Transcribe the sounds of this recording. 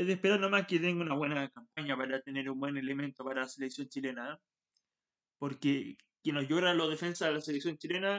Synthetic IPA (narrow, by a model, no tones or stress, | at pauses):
eðehpeɾaɾnomahket̪eŋɡunaβwe̞nakampaɲapaɾat̪e̞ne̞ɾumbwe̞ne̞le̞mẽ̞nt̪o̞paɾalaseleksjo̞nt͡ʃile̞na | po̞ɾke | kjenozʝoɾanloðefe̞nsaðelaseleksjo̞nt͡ʃilena